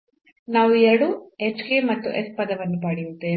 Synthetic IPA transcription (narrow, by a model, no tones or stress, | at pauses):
naːʋuɛɽuːet͡ʃkeːmɐt̪ːṵʔespɐd̪ɐʋɐnːupaːɽijut̪ːe̞ː